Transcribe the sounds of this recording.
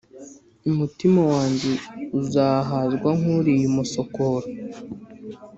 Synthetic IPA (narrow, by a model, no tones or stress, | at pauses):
umutimawaːɲɟe̞uzaːɦazɡwaŋ̥uɾijumuso̞koɾo